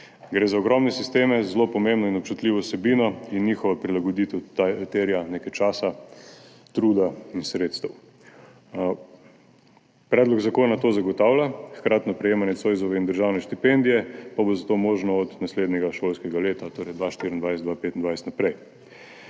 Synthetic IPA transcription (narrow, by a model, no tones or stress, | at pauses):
ɡɾeːzaɔɡɾɔmnɛsist̪eːmɛzlopɔmembnɔinɔp̚t͡ʃut̪liːʋɔsɛbiːnɔinːixɔʋapɾilaɡɔd̪it̪ɛw̪t̪eɾjanekajt͡ʃaːsa | t̪ɾuːd̪ainsɾet̪st̪ɐw | pɾɛːd̪lɔɡzakoːnat̪oːzaɡɔt̪awlʲaxkɾaːt̪nɔpɾɛjeːmanjɛsojzɔʋɛind̪əɾʒaːwnɛʃt̪ipend̪ijɛpabozat̪omoʒnɔːt̪nasled̪nɛɡaʃolskɛɡaleːt̪at̪oːɾɛjd̪ʋaʃt̪iɾiənd̪ʋajsɛd̪ʋapeːt̪ind̪ʋajsɛ̥t̪napɾɛj